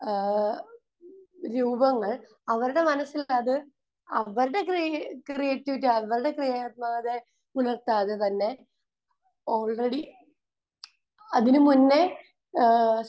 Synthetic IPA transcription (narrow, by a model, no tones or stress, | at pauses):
ɾuːbɐŋːɐɭ | ɐʋɐɾuɽe̞mɐnɐsːilɐðɨ | ɐʋɐɾuɽe̞kkrijeːtːiʋitːɨɐʋɐɾuɽe̞krijaːɐt̪̚maːɐðe̞ | unɐrt̪aːðet̪ɐnːe̞ | o̞ːɭreɽi | ɐðinɨmunːe̞